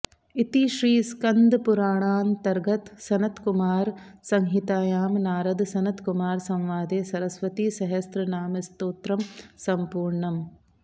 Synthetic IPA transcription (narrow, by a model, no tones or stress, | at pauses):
it̪iʃɾiːskɐnd̪puɾaːɳaːnt̪ɐɾɡɐt̪sɐnɐt̪kumaːɾsɐŋɦit̪aːjaːmnaːɾɐd̪sɐnɐt̪kumaːɾsɐ̃m̃ʋaːd̪eːsɐɾɐsʋɐt̪iʃɐɦɐst̪ɾɐnaːmɐst̪oːt̪ɾɐmsɐmpuːɾɳɐm